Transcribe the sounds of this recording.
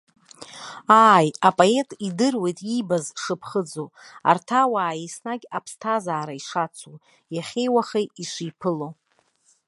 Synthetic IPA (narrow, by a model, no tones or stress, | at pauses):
aːjapʼoe̞tʼidɨrwe̞jtʼibazʂɨpʰχəd͡zoa̰rtʰawaːjisnaɡʲapʰstʰazaːɾaiʂat͡sʰu | jaχʲejwaχejiʂʷijpʰɨlo